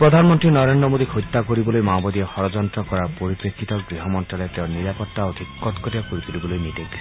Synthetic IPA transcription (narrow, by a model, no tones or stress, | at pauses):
pɾɔd̪ʱanɔmɔnt̪ɾinɔɾend̪ɾɔmod̪ikʰujt̪ːakoɾibɔlojmawbɔd̪iehɔɾɔd͡ʒɔnt̪ɾɔkɔɾaɾpoɾipɾekʰːit̪ɔɡɾiɦɔmɔnʈɾalet̪eʊniɾapɔt̪ːaod̪ʱikːɔt̪kɔɾijakoɾit̪ulibɔlojmiʈeɡdi